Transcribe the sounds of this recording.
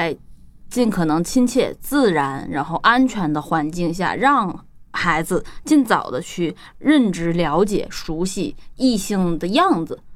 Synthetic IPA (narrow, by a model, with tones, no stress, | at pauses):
t͡sa˥˧ɪt͡ɕi˥˩nkʰɤ˨˩nɤ˧˥ŋt͡ɕʰi˥ŋt͡ɕʰjɛ̰˥˧t͡sɹ̩˥˩ɻa˧˥nɻa˧˥nxo˥˩ʊʔa˥nt͡ɕʰɥɛ˧˥nd̪ə˧xwa˧˥nt͡ɕi˥˧ŋɕja̰˥˧˩ɻɑ˥˩˧ŋxa˧˥ɪd͡zɹ̩˧t͡ɕi˥˩nt͡sɑ˨˩ʊd̪ə˦t͡ɕʰy˥˩ | ɻə˥˩nʈ͡ʂɻ̩˥ljɑ˧˥ʊt͡ɕjɛ̰˨˩ʂu˧˥ɕi˧˩i˥˧ɕi˥˩ŋd̪ə˩jɑ˥˩ŋd͡zɹ̩˩